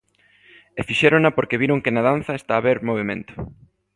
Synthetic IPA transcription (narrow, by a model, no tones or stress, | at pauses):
efiʃeɾonapoɾkeβiɾoŋkenað̞an̟θɐest̪aːβeɾmoβ̞emẽnt̪o̥